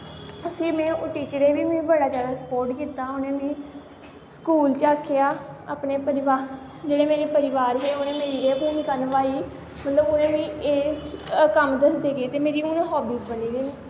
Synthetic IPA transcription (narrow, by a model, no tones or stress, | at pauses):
t̪ʊsĩːmɛ̃ːoʈiːt͡ʃəɾeːʋiːmẽːbəɽaːd͡ʒjaːd̪aːsə̥pɔːɾʈkiːt̪aːʊnẽːnẽː | skuːlt͡ʃaːkʰːejaːa̰ːpneːpəɾɪʋaː | d͡ʒeːɽeːmeːɾeːpəɾɪʋaːɾɦeːʊnẽːmeːɾiːeːpoːniːkənʋaːiː | mət̪ləbʊnẽːʋiːeːkəmd̪əsd̪eːɡeːt̪eːmeːɾiːʊnẽːɦɔːbiːsbəniːɡeː